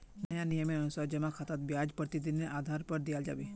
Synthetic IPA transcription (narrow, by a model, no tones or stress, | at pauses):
nəjanijəmeənusad͡ʒəmãkʰat̪at̪̚bjad͡ʒpəɾt̪id̪inːeʔad̪ʱaɾpəɾd̪ijald͡ʒa̰ʋi